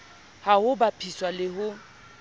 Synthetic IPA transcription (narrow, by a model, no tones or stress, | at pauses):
hahʊbapʰiswalɪɦʊ